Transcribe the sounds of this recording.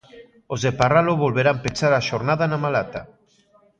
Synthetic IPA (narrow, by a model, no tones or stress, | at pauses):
ozðeparaloβolβeɾampet͡ʃaɾaʃoɾnaðanamalat̪a